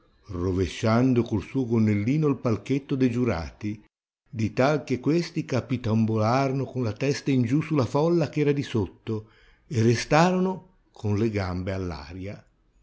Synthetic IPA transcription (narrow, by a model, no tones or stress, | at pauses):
roveʃːand̪okolsuːoɡonːelːiːnʊilpalk̟et̪ːod̪ed͡ʒuɾa̰ːt̪i | d̪it̪alk̟ekːwest̪ikapit̪ambolaːɾonokonlat̪ɛst̪aind͡ʒusulafɔlːak̟ɛːɾad̪isot̪ːo | erest̪aːɾono | kʰʊnleɡambealːa̰ːɾja